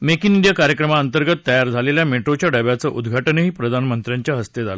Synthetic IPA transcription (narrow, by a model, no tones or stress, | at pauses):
mekiniɳɖijakaɾjəkɾəmaənt̪əɾɡət̪ːəjaɾd͡zʱaleljameʈɾot͡ɕjaɖəʋjat͡səʔud̪ɡʱaʈəneɦiːpɾəd̪ʱanmənt̪ɾjaɲt͡ɕjaɦəst̪ed͡za̰lə